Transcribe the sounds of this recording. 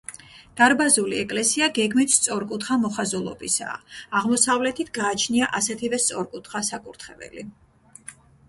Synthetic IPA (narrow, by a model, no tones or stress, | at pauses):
d̪̥aɾbazuliɛkʼlɛsiaɡɛɡmit̪ʰst̪sʼɔɾkʼut̪ʰχamɔχazulˠɔ̰bisa̰ːaʁmɔsavlɛt̪ʰit̪ʰɡaːt͡ʃʰniaʔasɛt̪ʰivɛst̪sʼɔɾkʼut̪ʰχasakʼuɾt̪ʰχɛvɛ̰li